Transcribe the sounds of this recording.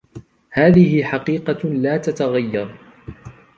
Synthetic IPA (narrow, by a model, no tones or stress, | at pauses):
haːðɪhɪħɑqiːqɑlaːt̪at̪aɣajːɑɾˤ